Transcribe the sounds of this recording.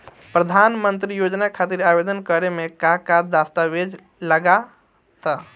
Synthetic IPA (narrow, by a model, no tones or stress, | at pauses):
pɾəd̪ʱanmənt̪ɾijod͡ʒnakʰat̪iɾabed̪ənkəɾemekakad̪ast̪abed͡ʒ | ləɡa | t̪ə